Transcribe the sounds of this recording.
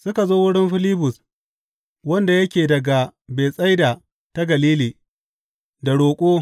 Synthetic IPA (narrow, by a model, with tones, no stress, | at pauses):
sʊ˦ka˨zoː˦wʊ˦ɽɪ˦mɸɪ˦lɪː˦bʊ˨s | wɐ˦nda˨jɐ˦kʲeː˨dɐ˨ɡa˨be˨sʼa˦jda˨ | ta˦ɡɐ˨liː˦liː˨ | da˨ɽoː˨kʷʼoː˦